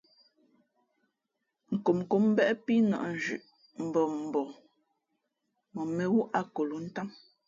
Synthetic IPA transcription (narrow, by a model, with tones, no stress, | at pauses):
ŋ̩˨ko˨mko˨m˦bɛ˦ʔpi˦nɔ̰˨ʔn̩˨d͡ʒʉ̰˨ʔ | m̩˨bɔ˨m̩˨bɔ˨ | mɔ˨me˨wu˦ʔa˦ko˨lu˨˦n̩˦ta˦m